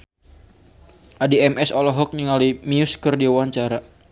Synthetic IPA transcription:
ʔadiɛmɛsɔlɔɦɔk̚ɲiŋalimiuskərdiwaɲt͡ʃaɾa

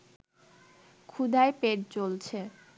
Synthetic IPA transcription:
kʰud̪ʱaepeʈ̚t͡ɕolt͡ɕʰe

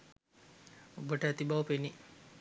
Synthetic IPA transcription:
obəʈəæt̪ibaʋəpeni

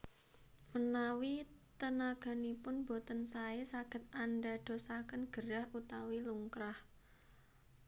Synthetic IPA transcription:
mənawit̪ənaɡ̥a̤nipʊnbot̪ənsaesaɡ̥ə̤t̪̚anɖaɖ̪̥o̤sakənɡ̥əɾahut̪awiluŋkɾah

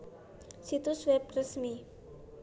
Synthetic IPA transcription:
sit̪uswɛp̚rəsmi

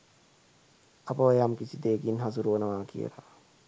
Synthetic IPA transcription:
ɐpɐʋɐjamkisid̪eːkinɦɐzuɾuʋɐnəʋaːkḭjə̰ɾa̰

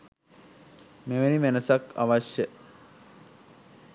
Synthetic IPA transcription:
meʋenimenəsaka̰ʋaʃjə

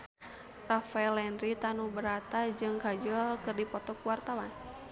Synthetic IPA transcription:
rafaɛlɛnɾit̪anubəɾat̪ad͡ʒɨŋkad͡ʒɔlkɨrdipɔt̪ɔkuwart̪awan

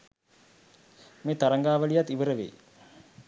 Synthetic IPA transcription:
meːt̪aɾaŋɡaːʋəlijat̪ːiʋəɾəʋḛ

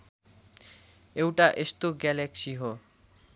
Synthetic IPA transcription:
ewʈaʔest̪oɡɛleksiɦo

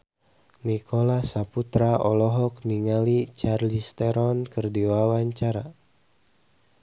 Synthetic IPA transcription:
nikʰɔlasaput̪ɾaɔlɔɦɔkniŋalit͡ʃarlist̪ɛɾɔnkɨrdiwawaɲt͡ʃaɾa

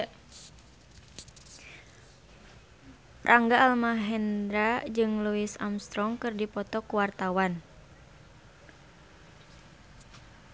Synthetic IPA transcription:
rʔaŋɡaːlmaɦɛnd̪ɾad͡ʒɨŋluisamst̪ɾɔŋkɨrdipɔt̪ɔkuwart̪awan

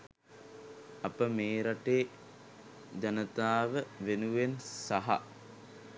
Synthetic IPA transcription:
ɐpəmeːɾaʈeː | d͡ʑanət̪aːʋəʋenuʋensaɦa̰

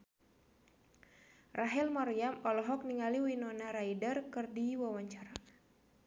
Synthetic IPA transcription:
rʔaɦɛlmɔɾjamɔlɔɦɔk̚niŋaliwinɔnaɾaidərkɨrdiwawaɲt͡ʃaɾa

